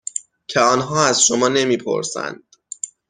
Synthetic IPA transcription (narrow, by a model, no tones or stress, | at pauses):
cʰeɒːnɦɒːæzʃomɒːne̞miːpʰo̞̰ɾsæ̰nd̪̥